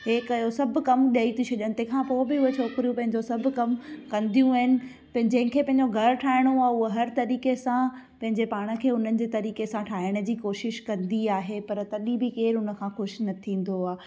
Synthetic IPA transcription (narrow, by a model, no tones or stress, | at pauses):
ɦeːkjosɐbʱkɐmɗiaːit̪ʰit͡ɕʰɐʄəñt̪ekʰãːpoːbɪʊet͡ɕʰoːkɪɾijũpɐ̃ɦɪ̃ɲd͡ʑosɐbʱʊ̆kɐmkɐ̃nd̪ʱijũaːɦɪnɪ̆ | pɐ̃ɦɪ̃ɲd͡ʑɐ̃ɦɪ̃kʰeːpɐ̃ɦɪ̃ɲd͡ʑoɡʱɐɾʈʰaːɪɽ̃oaːʊəɦɐɾt̪ɐɾiːkesã | pɐ̃ɦɪ̃ɲd͡ʑepaːɽ̃ə̆kʰeːʊn̤ənɪ̆d͡ʑeːt̪ɐɾiːkesãʈʰaːɪɽ̃ə̆d͡ʑiːkoːʃɪʃkɐ̃nd̪iaːɦepɐɾt̪ɐɗĩbɪkeːɾɦʊnə̆kʰãːxʊʃnɐt̪ʰĩːn̆d̪oaː